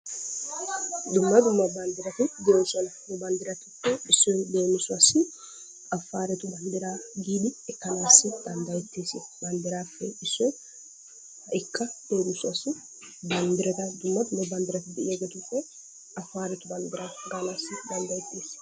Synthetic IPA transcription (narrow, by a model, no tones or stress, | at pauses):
d̪ʊmːɐd̪ʊmːɐbɐnd̪ɪɾɐt̪ʊd̪eːnsɔnɐnʊbɐnd̪ɪɾɐt̪ʊkːɛɪsːɔd̪eːmɪsʊɐsɪ | ɐfːaːɾɛt̪ʊbɐnd̪ɪɾaːɡiːd̪ɪɛkːɐnaːsːɪd̪ɐnd̪ɐjɛt̪ːeːsɪbɐnd̪ɪɾaːfːɛɪsːɔ | ɪkːɐd̪̥eːmɪsʊɐsʊ | bɐnd̪ɪɾɐt̪ɐd̪ʊmːɐd̪ʊmːɐbɐnd̪ɪɾɐt̪ɪd̪ɪʔɛɡɛt̪ʊfɛ | ʔɐfːaːɾɛt̪ʊbɐnd̪ɪɾaːɡanaːsːɪd̪ɐnd̪ɐjɛt̪ːeːs